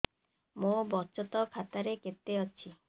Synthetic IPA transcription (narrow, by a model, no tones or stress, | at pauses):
mobɔt͡ʃɔt̪ɔkʰat̪aɾeket̪ːeɔt͡ɕʰi